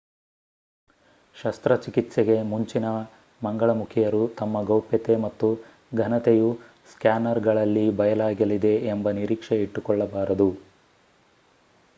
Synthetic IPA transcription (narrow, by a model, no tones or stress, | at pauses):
ʃɐst̪ɾɐt͡ʃikit̪seɡe̞muɲt͡ʃinɐ | mɐŋɡɐɭɐmukʰijɐɾut̪ɐmːɐɡɐwpjɐt̪e̞mɐt̪ːu | ɡʱɐnɐt̪eju | skjaːnɐɾɡɐɭɐlːibɐjɐlaːɡɐlid̪e̞ːmbɐniɾiːkʂeiʈːukɔɭːɐbaːɾɐd̪u